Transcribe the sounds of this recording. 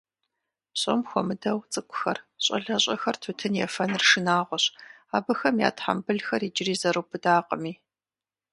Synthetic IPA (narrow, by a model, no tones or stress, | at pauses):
ɕʼo̰mxʷɔmɨdɐwt͡sʼɨkʷʰʼʊ̥xɐrɕʼɐ̰ɮɐɕʼɐxɐrtʰɨtʰɨnjɛfɐnrʂɨnaːʁʷɔɕ | aːbɐxɐmja̰ːtħa̰mbɨɮxɐrid͡ʒɪriːzɐɾɨpʰɨdaːqʼəmiː